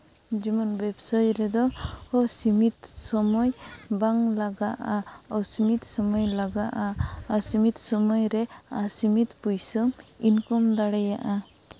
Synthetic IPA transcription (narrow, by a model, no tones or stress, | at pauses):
d͡ʒimɔnbɛbsajɾɛd̪ɔhɔsimit̪sɔmɔjbaŋlaɡaʔaawsimit̪sɔmɔjlaɡaʔaasimit̪sɔmɔjɾɛasimit̪pujsɯminkɔmd̪aɽaja̰ʔa